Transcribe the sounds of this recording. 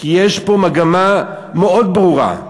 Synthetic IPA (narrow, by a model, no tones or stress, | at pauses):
kijeʃpo̞maɡama | meo̞dbʁuʁa̰